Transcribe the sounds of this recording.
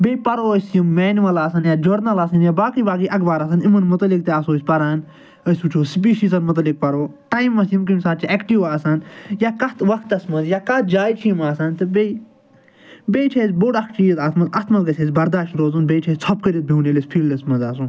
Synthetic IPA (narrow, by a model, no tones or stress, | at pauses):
bʲejpɐɾoːsʲjimːɛːnʋɐlaːsɐnjad͡ʒoɾnɐlɐːsɐnjaːbaːkibaːk̬iʔɐkbaːɾɐs̬ɐnimɐnmut̪ɐlikt̪eɐsoːsʲpɐɾaːn | əsʲut͡ʃʰoːsp̬iːʃiːs̬ɐnmɐt̪̬lik̚pɐɾoːʈaːjmɐsjimk̬imsat͡ʃiʔɛkʈiʋaːsɐnjaːkɐt̪ʋɐkʰt̪ɐsmɐzjakɐt̪̚d͡ʒaːjt͡ʃʰimaːsɐnt̪ɨbe | bejt͡ʃʰezboɽɐkʰt͡ʃijt̪aːt̪ʰmɐt̪ɐt̪ʰmɐt̪ɡɐsʰʲezbɐɾd̪aːʃʈɾoːzunbeːʈʰesʲt͡sʰɔp̚kəɾʲit̪̚bʱʲinelespʰiːlɖɐsmɐzaːsun